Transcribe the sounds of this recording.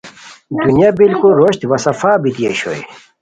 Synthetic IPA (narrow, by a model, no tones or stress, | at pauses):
d̪unjabilkulɾoɕt̪wɐsɐfaːbit̪ijḛɕo̰j̰